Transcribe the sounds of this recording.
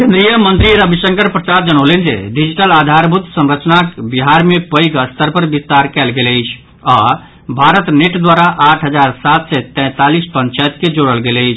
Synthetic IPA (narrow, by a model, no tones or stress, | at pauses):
kẽnd̪ɾijəmənt̪ɾiɾəbʱisə̃ŋkəɾpɾət͡ʃaɾd͡ʒənolend͡ʒḛɖid͡ʒiʈəlad̪ʱaɾbʱut̪səmɾət͡ʃnakbiɦaɾmepəjɡəst̪əɾpəɾbist̪aɾkɛlɡeləɪt͡ʃʰ | ɔ | bʱaɾət̪neʈd̪waɾaʔaʈʰɦəd͡ʒaɾsat̪sɛt̪ɛ̃ːt̪alispənt͡ʃajt̪ked͡ʒoɽəlɡeləjt͡ʃʰ